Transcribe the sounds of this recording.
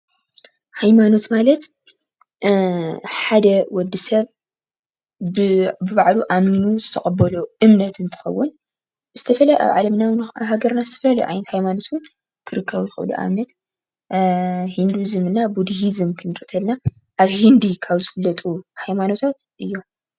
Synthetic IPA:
hajmano̞t̪malɐt̪ | ħad̪ɐwɔd̪ːisɐβ | ɨbɨβaʕluʔaminuzɨt̪ʰɐxʼɐbɐluɨmnɐt̪ɨnt̪ʰɨ̥xɐ̰wːʊn | z̥ɨt̪ʰɐfɐlɐʔa̰βʕa̰lɐmnawaβhaɡɐɾnazɨt̪ʰɐ̥fɐlaljʕa̰jnɐt̪hajmano̞t̪wʊn | kʰɨɾɨkʰːɐβujɪxɨ̰lṵʔa̰mnɐt̪ | hind̪uzɨmɨnːabud̪hizɨmkʰɨnɨɾʼɨt̪ʰɐlna | ʔaβhind̪ikʰaβzɨfɨlːɐt̪ʼuhajmano̞t̪ʰat̪ʔɨjːo

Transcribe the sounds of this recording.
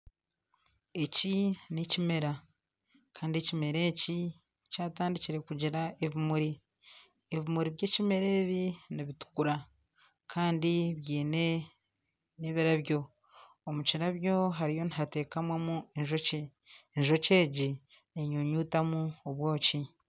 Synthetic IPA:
e̞cinicime̞ɾa | kʰaːndie̞cime̞ɾe̞ːci | caːtaːndiciɾe̞kuɟiɾaeβimuɾi | eβimuɾiβje̞ːcime̞ɾe̞ːβiniβitu̥kuɾa | kʰaːndiβjiːne̞ | neβiɾaβjo̞ | omuciɾaβjo̞ɦaɾijo̞niɦate̞ːkamwemueɲʒoce | ɲʒo̞ce̞ːɟi | eɲoɲuːtamuoβwo̞ːci

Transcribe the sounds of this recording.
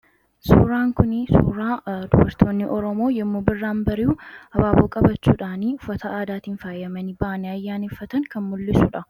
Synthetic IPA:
suːɾaːŋkʊnsṵːɾaːd̪ʊbɐɾt̪ʰoːnːɪʔɔɾɔmo̞ːjɛmːuːbɪrːaːnbɐɾɪuhɐbaːboːkʼɐbɐt͡ʃːuːᶑaːniʊfːɐt̪ɐaːd̪aːt̪iːnfaːjɐmɐnibɐʔɐnɪɐjːaːnefːɐt̪ɐŋkʰɐnmʊlːɪsuːᶑɐ

